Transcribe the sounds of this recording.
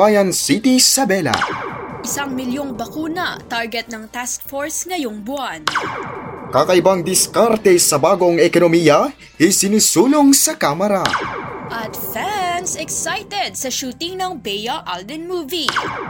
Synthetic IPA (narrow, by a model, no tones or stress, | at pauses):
ajɐnsit̪isɐbɛla̰ʔɪsaŋmɪljoŋbɐkuːnɐt̪aɹɡɛt̪̚nɐŋt̪askfoɹsŋɐjoŋbʊan | kakɐʔɪbaŋd̪ɪskaɾt̪ɛsɐbaːɡo̞ŋɛkonomijɐ | hisɪnisuːloŋsɐkamɐɾaʔɐt̪fansɛksajt̪ɛd̪̚sɐʃuːt̪ɪŋnɐŋbɛjɐʔald̪ɛnmuːvi